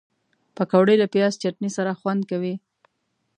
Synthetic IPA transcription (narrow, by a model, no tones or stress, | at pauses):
pəkawɽəjlapjɑst͡ʃaʈnisaɾaxwand̪̚kawi